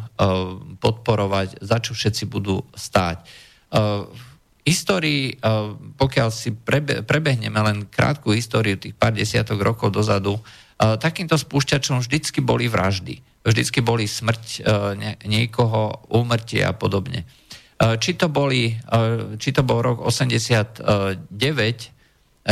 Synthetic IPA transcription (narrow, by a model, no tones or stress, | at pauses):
pɔt̪̚pɔɾɔʋaczat͡ʃɔfʃɛt̪t͡sibud̪ṵːst̪a̰ːc | ɦist̪ɔːɾiː | pɔkɪalsipɾɛbɛpɾɛbɛɦɲɛmɛlɛnkɾa̰ːt̪kuɦist̪ɔːɾiut̪iːxpaːɾɟɛsɪa̰t̪ɔɣɾɔkɔʊd̪ɔzad̪u | t̪akiːmt̪ɔspuːʃcat͡ʃɔmvʒd̪it͡skibɔliʋɾa̰ʒd̪ḭ | vʒd̪it͡skibɔlismr̩cɛɲɪɛkɔɦɔuːmr̩cɪɛ̰a̰pɔd̪ɔbɲɛ̰ | t͡ʃit̪ɔbɔli | t͡ʃit̪ɔbɔlɾɔɡɔ̰sɛmɟɛsɪat̪ɟɛʋɛc